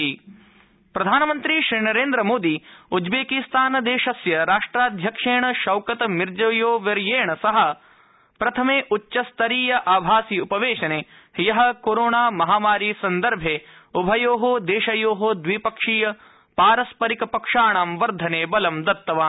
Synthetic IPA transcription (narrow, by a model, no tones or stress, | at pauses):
pɾɐd̪ʱaːnɐmɐnt̪ɾiʃɾiːnɐɾeːnd̪ɾɐmoːd̪iud͡ʒbeːkist̪aːnɐd̪eːʃɐsjɐɾaːʂʈɾaːd̪ʱjɐkʂeːɳɐʃɐwkɐt̪ɐmiɾd͡ʒɐjoːʋɐɾjeːɳɐsɐɦɐ̆ | pɾɐt̪ʰɐmeːʔutːʃɐst̪ʰɐɾiːjɐʔaːbʱaːsiupɐʋeːʃɐneː | hjɐɦɐ̆koːɾoːɳaːmɐɦaːmaːɾiːsɐnd̪ɐɾbʱeːubʱɐjoːɦod̪eːʃɐjoːɦod̪ʋipɐkʂiːjɐ | paːɾɐspɐɾikɐpɐkʂaːɳaːmʋɐɾd̪ʱɐneːbɐlɐmd̪ɐt̪ːɐʋaː